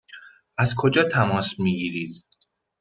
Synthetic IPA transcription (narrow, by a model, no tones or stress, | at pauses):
æzkʰo̞d͡ʒɒːt̪ʰæmɒːsmiɡiːɾiːd̪̥